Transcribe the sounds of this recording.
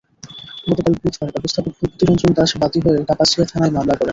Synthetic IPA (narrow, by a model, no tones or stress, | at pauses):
ɡɔt̪okalbɾit̪kɔɾɔbost̪ʰapok̚bʱuk̚t̪iɾɔnd͡ʑond̪aʃbat̪iɦoeʈapaʃiat̪ʰanaemamlakɔɾe